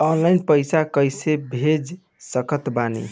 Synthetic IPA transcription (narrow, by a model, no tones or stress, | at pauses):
ɔnlajnpəjsakəjsebʱed͡ʒ | səkət̪banḭ